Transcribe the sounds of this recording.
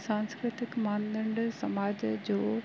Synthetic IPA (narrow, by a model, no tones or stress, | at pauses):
sãːnskɾɪt̪ɪkmaːnd̪ə̃ɳɖsɐmaːd͡ʑd͡ʑoː